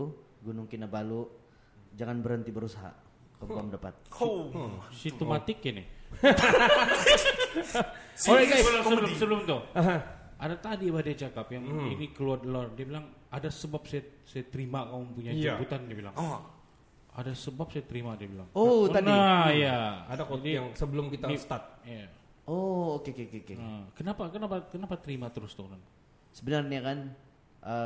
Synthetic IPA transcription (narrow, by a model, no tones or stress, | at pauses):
u | ɡunʊŋkinabalu | d͡ʒaŋanbəɾənt̪ibəɾusaɦa̰ | kəbuamdəpa̰t̪̚ | sist̪əmat̪ɪkinḭ | ɡasəblmsəbəlʊmt̪ʊhaɦã | adat̪adibadit͡ʃakapjaŋinikəluardəlardiabilaŋadasəbap̚sajasajat̪əɾimakamʊpuɲajd͡ʒbut̪andiabila̰ŋ | a̰dasəbap̚sajat̪əɾimadiabila̰ŋot̪anajaadaadijaŋsəbəlʊmkit̪anist̪at̪̚ja | ookekeokekeəkənapakənapakənapat̪əɾimat̪əɾʊst̪ʊkan | səbənarnakan | ʔə